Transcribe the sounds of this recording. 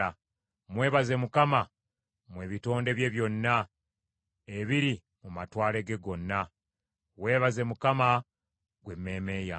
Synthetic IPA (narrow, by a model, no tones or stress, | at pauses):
a | mwe̞ːβaze̞mukama | mweːβito̞ːnde̞βje̞βjo̞nːa | eβiɾi | mumatwaːle̞ɡe̞ɡo̞nːa | we̞ːβaze̞mukama | ɡwe̞mːe̞ːme̞ːja